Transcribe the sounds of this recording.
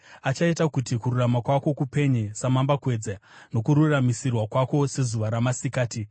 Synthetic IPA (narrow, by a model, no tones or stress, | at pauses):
at͡ʃaitakutikururamakwako̞kupe̞ɲesamambakwe̞ːd͡zano̞kuɾuramisirwakwako̞se̞zuʋaɾamasikaːti